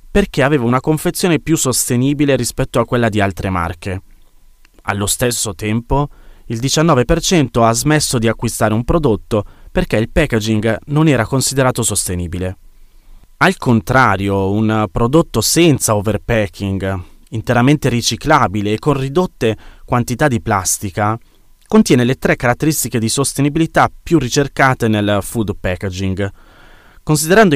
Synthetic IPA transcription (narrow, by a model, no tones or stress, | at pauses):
perk̟eaveːvaunakoɱfet̪sːjoːnepjusːost̪eniːbileɾispɛt̪ːoakːwelːad̪ialt̪ɾʔema̰rk̟e | a̰lːost̪esːot̪ɛmpoild̪it͡ʃanːɔːvepert͡ʃɛnt̪oazmesːod̪iakːwist̪aːɾeumpɾod̪ot̪ːoperkeilpɛked͡ʒiŋɡnonɛːɾakonsid̪eɾaːt̪osost̪eniːbile | alkont̪ɾaːɾjounpɾod̪ot̪ːosɛnt̪saoverpɛkʰːiŋɡ | int̪eɾament̪eɾit͡ʃiklaːbileːkːonrid̪ot̪ːekwant̪it̪ad̪iplast̪ika | kont̪jɛːnelet̪ɾɛkːaɾat̪ːeɾist̪iked̪isost̪enibilit̪apːjurːit͡ʃerkaːt̪enelfud̪pɛːked͡ʒiŋɡ | kons̬id̪eɾand̪o